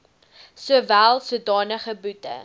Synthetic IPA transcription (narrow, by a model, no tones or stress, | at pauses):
suəvælˠsuədɑːnəχəbutə̰